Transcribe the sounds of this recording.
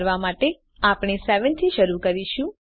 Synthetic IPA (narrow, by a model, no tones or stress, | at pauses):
ɾʋamaʈe | apɳ̃esɛʋənt̪ʰiʃəɾukəɾiʃũ